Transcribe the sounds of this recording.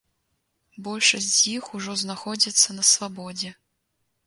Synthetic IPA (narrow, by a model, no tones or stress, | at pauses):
bɔlʲʂɐsʲd͡zʲzʲjixuʐɔznaxɔd͡zʲit̪sːɐnɐsvabɔd͡zʲɛ